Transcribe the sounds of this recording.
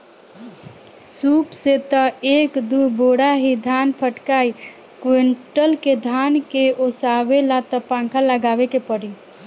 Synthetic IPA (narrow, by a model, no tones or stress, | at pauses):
supset̪əekd̪uboɽaɦid̪ʱanpʰəʈkai | kwiɳʈəlked̪ʱankeosawelat̪əpãŋkʰaləɡabekepəɽi